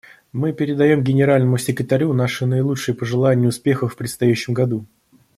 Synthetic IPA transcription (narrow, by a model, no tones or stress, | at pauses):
mɨpʲɪɾʲɪd̪ɐjo̞mɡʲɪnʲɪɾalʲnəmʊsʲɪkɾʲɪt̪ɐɾʲunaʂɨnəɪlˠut͡ʂʂɨjəpəʐɨlˠanʲɪjəʊspʲe̞xəfpɾʲɪt̪st̪ɐjæɕːɪmɡɐd̪u